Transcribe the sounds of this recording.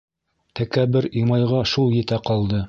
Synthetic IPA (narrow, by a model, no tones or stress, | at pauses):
t̪ʰækæbɘɾijmɑjʁɑʃulˠjɘ̆t̪æqɑlˠd̪ɤ